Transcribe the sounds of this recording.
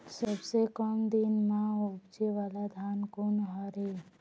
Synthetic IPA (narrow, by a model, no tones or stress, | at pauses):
səbsekəmd̪ɪnmãʊbd͡ʒeʋaːlad̪ʱaːnkʊnɦɔɾe